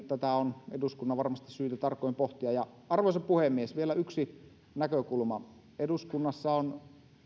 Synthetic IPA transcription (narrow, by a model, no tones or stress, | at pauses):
t̪æt̪æoneduskunːɑʋɑrmɑst̪issyːt̪æt̪ɑrkːˑoˑimpoht̪iɑjɑ | ɑrʋoˑsɑpuhemːiesʋielæyksi | nækøkulmɑ | eduskunːɑsːɑon